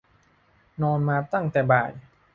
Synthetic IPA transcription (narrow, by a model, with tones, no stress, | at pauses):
nɔː˧nmaː˧t̪a˥˩ŋt̪ɛː˨˩baː˨˩j